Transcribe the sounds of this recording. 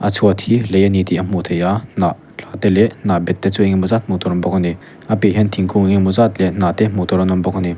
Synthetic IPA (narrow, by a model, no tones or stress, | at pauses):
ʔat͡sʰuat̪ʰilejanit̪iʔamot̪ʰejanaʔ | t͡ɬʰat̪ɛlɛʔnabɛt̪̚ːɛt͡sueŋɛmɔzat̪̚mot̪ɔɾɔmbɔkʰɔni | ʔapeɦɛnt̪ʰiŋkʰuŋeŋemɔzat̪lɛnat̪ɛmot̪ɔɾɔnɔmbɔkʰɔni